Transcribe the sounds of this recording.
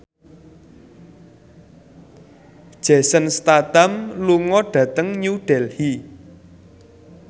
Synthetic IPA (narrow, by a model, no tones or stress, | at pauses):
d̥ʒ̥ɛ̤sənst̪at̪amluŋɔɖ̥ä̤t̪əŋɲuɖ̥ɛ̤lhi